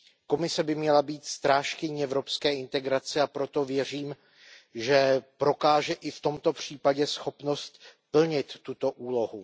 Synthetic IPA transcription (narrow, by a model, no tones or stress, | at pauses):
ko̞mɪsɛbɪmɲɛlabiːt̪st̪ɾaːʃkɪɲiɛvɾo̞pskɛːɪnt̪ɛɡɾat͡sɛapɾo̞t̪o̞vjɛr̝iːm | ʒɛpɾo̞kaːʒɛʔɪft̪o̞mt̪o̞pr̝̥iːpaɟɛsxo̞pno̞st̪pl̩ɲɪt̪ːut̪o̞ʔuːlo̞ɦu